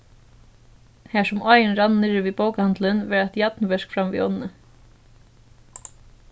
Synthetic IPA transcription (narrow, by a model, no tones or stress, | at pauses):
hɛʂʊmɔjɪnɾanːnɪɹviːboːwkhand̪lənʋɛːɹat̪jat̪nvɛʂkfɾamvḭʔɔ̰nnə